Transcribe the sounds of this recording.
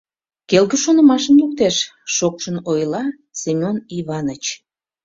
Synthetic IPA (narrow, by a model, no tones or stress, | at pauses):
kelɣəʃonə̆mɑʃənluk̚t̪eʃːokʃənojlɑ | semʲoniβɑnət͡ɕ